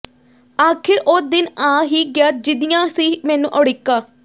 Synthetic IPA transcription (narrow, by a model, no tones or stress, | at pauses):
aːkʰɪɾʔoːd̪ɪnãːɦiːɡɪjaːd͡ʒɪd̪ijãːsiːmɛːnũːʔɔːɽɪkːaː